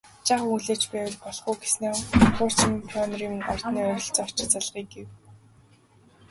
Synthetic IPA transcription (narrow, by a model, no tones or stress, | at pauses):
t͡ɕaːχuɮeːt͡ɕpæːwɮpɔɮχuːɡe̥sneːχʰʊːr̥t͡smpʰɔnriːmɔ̰r̥tt̪niːɔɾʲɞ̆ɬt͡sar̥t͡ɕɪ̆t͡saɮʁ̥iːk̚ɡew